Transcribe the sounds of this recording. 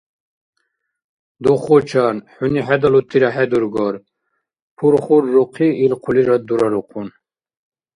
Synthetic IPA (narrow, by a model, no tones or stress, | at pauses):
d̪ɔχɔt͡ʃʰaːnħuniħɛd̪alut̪ʰiɾaħɛd̪uɾɡɔɾ | pʰuɾχuɾːɔqʰiːlqʰuliɾad̪uɾaɾɔqʰun